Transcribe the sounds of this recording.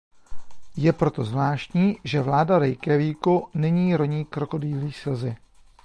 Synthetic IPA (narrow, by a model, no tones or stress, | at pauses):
jɛpɾo̞t̪o̞zvlaːʃcɲiːʒɛvlaːdaɾɛjkɛviːkunɛɲiːɾo̞ɲiːkɾo̞ko̞diːliːsɪlzɪ